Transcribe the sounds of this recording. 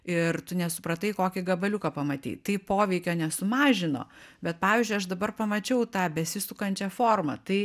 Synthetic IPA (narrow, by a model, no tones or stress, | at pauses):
ɪrt̪ʊnʲɛsʊpɾɐt̪ɐɪkoːkʲɪɡɐbɐlʲʊkɐpɐmɐt̪ʲḭːtt̪ɐɪpoːʋʲɛɪkʲoːnʲɛsʊmɑːʒʲɪno̰ːbʲɛt̪̚pɑːʋʲizʲd͡ʒʲʊɪɐʃd̪ɐbɐrpɐmɐt͡ʃʲɛʊt̪ɑːbʲɛsʲɪsʊkɐnʲt͡ʃʲɛfoːrmɐ̰t̪ɐɪ